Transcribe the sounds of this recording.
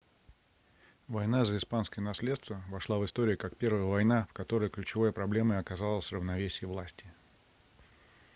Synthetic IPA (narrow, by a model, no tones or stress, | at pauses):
vɐjn̪azəɪspanskəjənɐsʲlʲet̪st̪vəvɐʂlˠavɨst̪o̞ɾʲɪʊkakpʲe̞rvəjəvɐjnafkɐt̪o̞ɾəjklʲʉt͡ɕɪvojəpɾɐblʲe̞məɐkɐzalˠəsʲrəvnɐvʲesʲɪjəvlˠasʲtʲɪ